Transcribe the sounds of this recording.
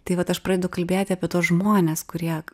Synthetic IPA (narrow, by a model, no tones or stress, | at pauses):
t̪ɐɪʋɐt̪ɐʃpɾɐːdʲɛd̪ʊkɐlʲbʲeːt̪ʲɪɐːpʲiɛt̪oːsʒmoːnʲɛːskʊɾʲiɛ